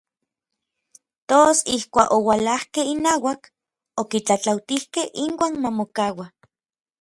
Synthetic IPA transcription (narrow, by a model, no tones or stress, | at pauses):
t̪osihkʷa̰ːkowalahkehinaːwak | okit͡ɬat͡ɬawt̪ihkehʔiŋwaːnmamokawa